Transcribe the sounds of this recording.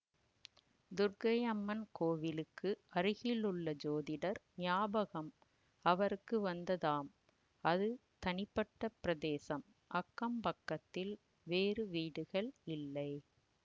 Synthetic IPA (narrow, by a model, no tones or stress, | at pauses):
d̪ʊɾɡɐjɐmːɐnkoːʋɪlɯkʰːɯɐɾɯɣɪlɯɭːɐd͡ʒoːðɪɽɐɾnɪjaːbɐɣɐm | ɐʋɐɾɯkːɯʋɐnd̪ɐðaːm | ɐðɯt̪ɐnɪpːɐʈːɐpɪɾɐðeːsɐm | ʔɐkːɐmpɐkːɐt̪ːɪl | ʋeːɾɯʋiːɽɯɣɐɭɪlːɐɪ